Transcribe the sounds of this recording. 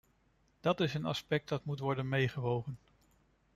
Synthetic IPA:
d̥ɑtɪsənɑ̰spɛk̚t̚dɑtmutʋɔɹdənmejχəʋowχən

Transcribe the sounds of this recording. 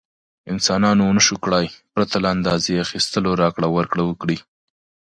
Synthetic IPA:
ɪnsɑnɑnonəʃukɽajpɾat̪alaand̪ɑzeaxist̪əloɾɑkɽawaɾkɽawəkɽi

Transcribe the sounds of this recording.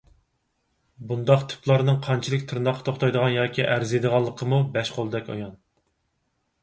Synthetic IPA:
bund̪ɑqt̪ʰy̥plˠɑɾnɨŋqʰɑnt͡ʃʰilˠɨkʲt̪ʰɨɾnd̪ɑqʰːt̪ʰoχt̪ʰɑjd̪əʁɑnjɑːkʲʰiʔæɾzed̪əʁɑlˠːəqʰəmubɛʃqʰolˠɨd̪ɛkʲɑ̰jɑn

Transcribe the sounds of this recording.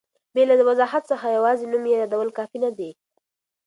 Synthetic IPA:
belad̪əwazɑɦat̪səxajawɑzenumjejɑd̪awəlkɑfinad̪e

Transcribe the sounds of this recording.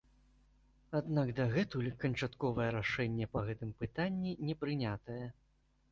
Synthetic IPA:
ad̪naɡd̪ɐɣɛt̪ulʲkɐnt͡ʂat̪kɔvɐjɛɾaʂɛnʲːɛpɐɣɛt̪ɨmpɨt̪anʲːinʲɛpɾɨnʲat̪ɐjɛ

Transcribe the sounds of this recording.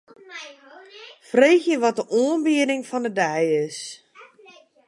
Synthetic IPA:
freːxjəʋɔt̚dəʔoənbiədɪŋfɔndədɛjɪs

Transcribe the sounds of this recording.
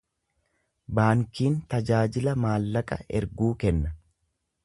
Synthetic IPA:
baːŋkiːnt̪ɐd͡ʒaːd͡ʒɪlɐmaːlːɐkʼɐ̰ɛ̰ɾɡuːkɛnːɐ

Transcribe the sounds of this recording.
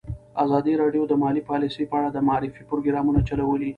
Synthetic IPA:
azɑd̪iɾɑɖjod̪əmɑlipɑlisəjpəaɽad̪əmaɑɾɪfipɾoɡɾɑmunat͡ʃalawəli

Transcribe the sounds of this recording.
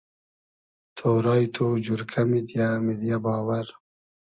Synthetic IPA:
t̪ʰoːɾɑːjt̪ʰod͡ʒuɾkʰamid̪jamid̪jabɑːwaɾ

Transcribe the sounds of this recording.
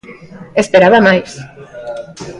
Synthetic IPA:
espeɾaβamajs

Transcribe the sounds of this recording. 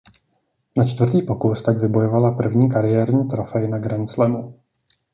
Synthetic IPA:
nat͡ʃt̪vr̩t̪iːpo̞kust̪aɡvɪbo̞jovalapr̩vɲiːkaɾɪjɛːɾɲiːt̪ɾofɛjɪnaɡɾɛnslɛmu

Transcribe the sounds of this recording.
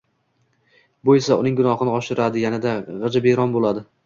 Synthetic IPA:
bojesaʊ̰nɪŋɡʊnɒhɨnɪɒʃɪɾad̪ɪɡʲanɪd̪aʁɨd͡ʒabeɾɒnbolad̪ɪ

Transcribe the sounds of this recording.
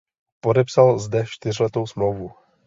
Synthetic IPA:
podɛpsalzdɛʃt̪ɪr̝lɛt̪owsmlowvu

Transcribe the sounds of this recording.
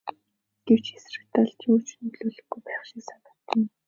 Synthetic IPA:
ɡ̥ew̥t͡ɕxesrɘ̆kt̪aɮt̪juːt͡ɕʰnɵt̪̆ɮuːɮɵ̆xɡujpæːχʃiksat̪ə̥̆t̪ə̆n

